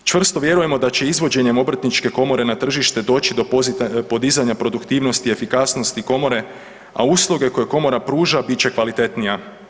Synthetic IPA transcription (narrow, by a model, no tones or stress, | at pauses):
t͡ʃʋr̩st̪o̞ʋje̞ɾuje̞mo̞d̪at͡ɕe̞izʋo̞d͡ʑe̞ɲe̞mo̞br̩t̪nit͡ʃke̞ko̞mo̞ɾe̞nat̪r̩ʒiʃt̪e̞d̪o̞ːt͡ɕid̪o̞ppo̞d̪izaɲapɾo̞d̪ukt̪iːʋno̞st̪ie̞fikasno̞st̪iko̞mo̞ɾe̞ | a̰uslˠuɡe̞ko̞jeko̞mo̞ɾapɾuːʒabit͡ɕe̞kʋalit̪e̞t̪nija